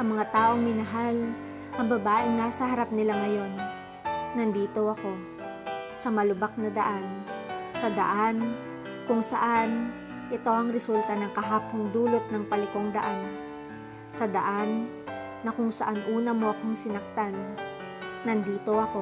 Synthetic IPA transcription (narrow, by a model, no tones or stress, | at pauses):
ʔɐŋmɐŋat̪aːʔo̞ŋmɪnɐɦal | ʔɐŋbɐbaːʔɪnːaːsɐɦɐɾap̚nɪlaŋɐjo̞nː | ɐnd̪iːt̪o̞ɐko̞ | sɐmɐlʊbak̚nɐd̪ɐʔansɐd̪ɐ̰ʔan | kʊŋsɐʔan | ʔɛt̪o̞ʔɐŋɾɛsult̪ɐnɐŋkɐɦap̚kʊŋd̪uːlo̞t̪̚nɐŋpɐlɪko̞ŋd̪ɐʔan | sɐd̪ɐʔanː | ɐkʊŋsɐʔanʔuːnɐmo̞ʔɐkoŋsɪnɐk̚t̪anː | ɐnd̪iːt̪o̞ʔɐko̞